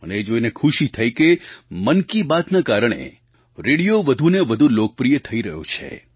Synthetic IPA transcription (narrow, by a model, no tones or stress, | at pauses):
əneːd͡ʒoinekʰuʃit̪ʰəjkemənkibat̪nakaɾəɳ̃ḛ | ɾeɽijoʋəd̪ʱuneʋəd̪ʱulok̚pɾijət̪ʰəiɾəɦjõ̰t͡ʃʰḛ